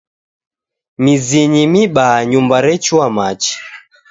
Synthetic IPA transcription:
miziɲimiɓaɲumbaɾɛt͡ʃuamat͡ʃi̥

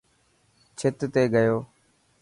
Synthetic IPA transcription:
t͡ʃʰɪt̪t̪eːɡəjoː

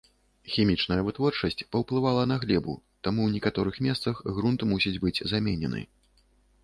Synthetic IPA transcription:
xʲimʲit͡ʂnɐjɐvɨt̪vɔrt͡ʂɐsʲt͡sʲpɐwplˠɨvalˠɐnɐɣlʲɛbṵ | t̪amuwnʲɛkat̪ɔɾɨxmʲɛst̪sɐxɣɾunt̪musʲid͡zʲbɨd͡zʲzamʲɛnʲɛ̰nɨ̰

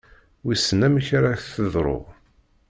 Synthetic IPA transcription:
wisːənæmiçaɾaθəðˤɾˤo̰ʁ

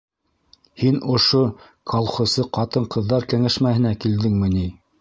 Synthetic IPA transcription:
hinŏʃo | kʰɑlˠχŏsɤqɑt̪ɤɴqɤ̆ðːɑɾkæŋæʃmæhɘ̆nækild̪ɘŋmɘ̆ni

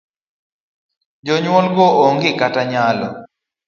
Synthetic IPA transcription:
d͡ʒɔɲwɔlɡɔoŋɡɪkataɲalɔ̰

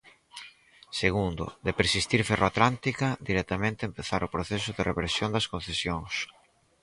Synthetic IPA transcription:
seɣ̞und̪ʊ̰d̪epeɾsist̪iɾferoat̪lant̪ikɐd̪iɾɛt̪amẽnt̪eːmpeθaɾʊpɾoθɛsʊðɪrepɾesjond̪ɐskõn̟θesjoŋs

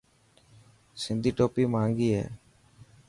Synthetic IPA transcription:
sɪnd̪ʱiʈopimaŋɡiɛ̰

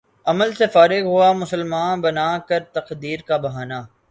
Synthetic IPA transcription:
ɐməlsefaːɾɪɡɦuamʊsəlmaːnbɐnaːkɐɾt̪ɐqd̪iːɾkabɐɦaːnaː

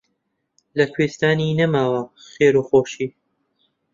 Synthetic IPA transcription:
lɐkʰwest̪aːninɐmaːwɐxeːɾuxoːʃiː

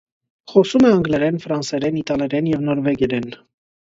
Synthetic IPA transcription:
χɔsumɛɑŋɡlɛɾɛnfɾɑnsɛɾɛnit̪ɑlɛɾɛnjɛvnɔɾvɛɡjɛɾɛn

